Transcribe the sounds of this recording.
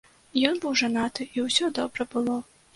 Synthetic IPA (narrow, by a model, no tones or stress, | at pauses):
jɔnbɨwʐanat̪ɨʔiwsʲɔd̪ɔbɾɐbɨlˠɔ